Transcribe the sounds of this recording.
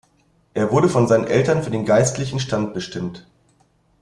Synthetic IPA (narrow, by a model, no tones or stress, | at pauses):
ʔeːɐvʊɐɾəfɔnzaɪnənʔɛltɐnfyːɐdeːnɡaɪstlɪçn̩ʃtant̚b̥əʃtɪmt